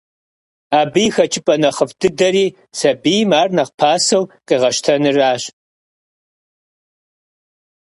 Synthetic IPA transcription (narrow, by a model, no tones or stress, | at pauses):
aːbɨjxɐt͡ʃʼɪpʼɐnɐχəfdʰɨdɐɾiː | sɐbijmaːrnɐqpʰaːsɐwqʼiʁɐʃtʰɐnɨraːɕ